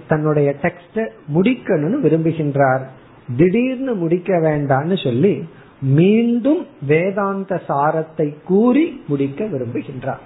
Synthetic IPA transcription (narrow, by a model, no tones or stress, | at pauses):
t̪ɐnːɯɽɐjɐʈɛksʈɯmʊɽɪkːɐnɯnɯʋɪɾɯmbɯɣɪndraːɾ | d̪ɪɽiːɾnɯmʊɽɪkːɐʋeːɳɖaːnːɯsɔlːi | miːɳɖɯmʋeːðaːnd̪ɐsaːɾɐt̪ːɐɪkːuːɾimʊɽɪkːɐʋɪɾɯmbɯɣɪndra̰ːɾ